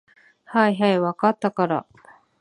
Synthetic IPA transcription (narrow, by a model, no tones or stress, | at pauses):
haiɦaiβakat̪ːakaɾa̰